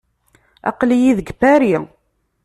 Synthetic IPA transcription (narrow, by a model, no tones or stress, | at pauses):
ɑ̰qlijiðəɡbæɾi